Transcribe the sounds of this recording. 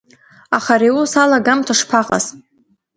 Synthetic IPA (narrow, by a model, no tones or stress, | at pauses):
aχaɾiusalaɡamtʰaʂpʰaqʼa̰z